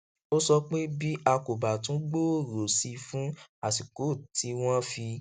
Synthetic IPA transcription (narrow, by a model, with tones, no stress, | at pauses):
o˦sɔ˧k͡pe˦bi˦ʔa˧ko˨ba˨tũ˨˦ɡ͡bo˦o˦˨ɾo˨si˧fũ˦a˨si˨ko˨˦˨tʰi˨˦w̃ɔ̃˦fi˧